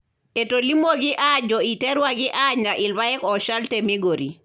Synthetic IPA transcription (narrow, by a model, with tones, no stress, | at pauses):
e˨toli˦mo˦ɡi˦ʔad͡ʒɔ˨i˨tɛ˦ɾwaɡi˦ʔaɲa˨ʔɪ˨lba˦ɛ˦kɔ˨ʃa˦ltemi˦ɡoɾḭ˨